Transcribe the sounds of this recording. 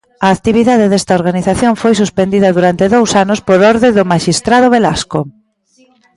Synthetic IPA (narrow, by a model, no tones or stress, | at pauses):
ɐːkt̪iβiðaðeðɛst̪ɐoɾɣaniθaθjoŋfojsuspend̪iðɐðuɾant̪eðowsanʊspoɾɔɾðeðʊmaʃist̪ɾað̞ʊβelasko